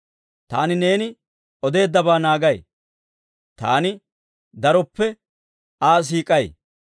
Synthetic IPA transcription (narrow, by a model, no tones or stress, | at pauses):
t̪a̰ːnɪne̞ːnɪ | ʔɔd̪e̞ːd̪ːɐbaːnaːɡɐj | t̪a̰ːnɪ | d̪ɐɾɔpːɛ | aːs̬iːkʼɐj